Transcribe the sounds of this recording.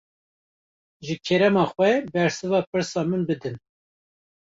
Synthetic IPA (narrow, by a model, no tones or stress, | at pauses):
ʒɨkʰɛɾɛmɑːxwʷɛbɛɾsɨvɑːpɨɾsɑːmɨnbɨd̪ɨn